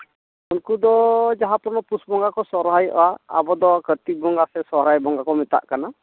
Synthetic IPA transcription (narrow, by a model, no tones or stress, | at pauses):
unkud̪ɔd͡ʒaɦãpɾɔnɔpusbɔŋɡakɔsɔɾɦajʔɔ̰waa̰bɔd̪ɔkət̪ik̚bɔŋɡasɛsɔɦɾajbɔŋɡakɔmɛt̪a̰ʔkana